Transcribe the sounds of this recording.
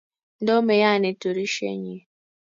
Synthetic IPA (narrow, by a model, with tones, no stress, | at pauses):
n̩˦do˦me˨ja˦˨ne˨to˨ɾi˦ʃḛ˦ɲi˨